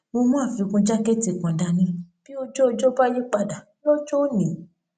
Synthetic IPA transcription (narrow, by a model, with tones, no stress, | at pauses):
mo˧mũ˦a˦˨fĩ˨˧kũ˧d͡ʒa˦ke˦ti˧˨kã˨da˧nĩ˧b̥i˦o˦d͡ʒo˦˧d͡ʒo˦ba˦ji˦k͡pa˧da˨bi˦o˦t͡ʃo˦nĩ˨˦